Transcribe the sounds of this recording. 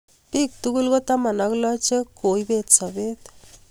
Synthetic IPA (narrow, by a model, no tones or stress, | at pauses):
pik̚t̪ukulɡɔt̪amanɔklɔt͡ʃekojbet̪sɔbet̪